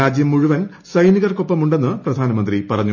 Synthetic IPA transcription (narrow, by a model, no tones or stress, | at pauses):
aːd͡ʑjɐmːuɻuʋɐn | sɐjniɣɐrko̞pːɐmuɳɖe̞nːɨprɐd̪ʱaːnɐmɐnd̪ripɐrɐɲːu